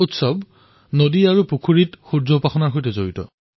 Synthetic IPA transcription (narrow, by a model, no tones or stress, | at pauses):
utsɔb | nodiaɹupukʰuɹitxuɹzɔpaxɔnaɹɦojtɛzoɹitɔ̰